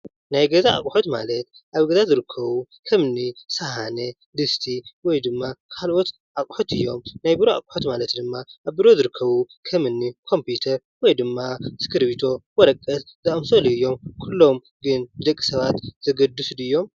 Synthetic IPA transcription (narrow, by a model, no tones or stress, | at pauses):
najɡɐzaʔa̰kʼħot̪ma̰lɐt̪ | ʔaβɡɐzazɨɾɨkʰːɐβu | kʰɐmɨnːisɐhanɐ | d̪ɨst̪ʰiwɔjd̪ɨmːakʰalʔot̪ | ʔakʼħot̪ɨjːo̞mnajbɨɾoa̰kʼħot̪malɐt̪d̪ɨmːaʔaβbɨɾo̞zɨɾɨkʰːɐβu | kʰɐmɨnːikʰo̞mput̪ʰɐɾ | wɔjd̪ɨmːaskʰɨɾbit̪ʰo̞wɔɾɐkʼːɐt̪zɐʔʼɐmsoliɨjːo̞mkʰulːo̞m | ɡɨnɨd̪ɐkʼːi̥sɐβat̪z̥ɐɡɐd̪ːusud̪ɨjːo̞m